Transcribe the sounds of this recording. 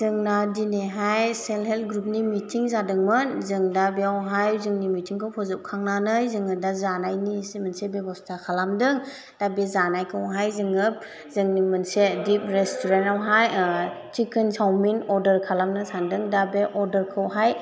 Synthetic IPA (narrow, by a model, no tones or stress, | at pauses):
zɯŋnadineɦajselɦelt̚ɡɾup̚nimitʰiŋzadɯŋmɯnzɯŋdabeawɦajzɯŋnimitʰiŋkʰawpʰɔzɯp̚kʰaŋnanɯjzɯŋɯdazanajnisimənsebebɔstʰakʰalamdɯŋ | d̥abezanajkʰɯwɦajzɯŋɯp̚ | zɯŋnimɯnsedip̚ɾestʰuɾentawɦajt͡ʃikʰɯnsawminɔɾdəɾkʰalamnasandɯŋdabeʔɔɾdəɾkʰɯwɦaj